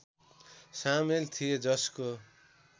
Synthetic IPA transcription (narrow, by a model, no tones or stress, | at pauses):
samelt̪ʰijed͡zʌsko